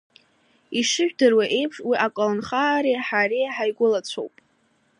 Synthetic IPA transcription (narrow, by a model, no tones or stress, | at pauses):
iʂɨʒᶣdɨrwaʔe̞jpʰʂwiʔakʷʼalɨnχaːɾiħaɾiħajɡʷʊlat͡sʷʰo̰wpʼ